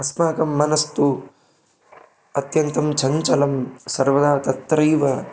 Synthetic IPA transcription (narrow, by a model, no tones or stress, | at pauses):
ɐsmaːkɐmːɐnɐst̪u | ɐt̪jɐnt̪ɐmt͡ʃʰɐɲt͡ʃɐlɐmsɐɾʋɐd̪aːt̪ɐt̪ɾɐjʋɐ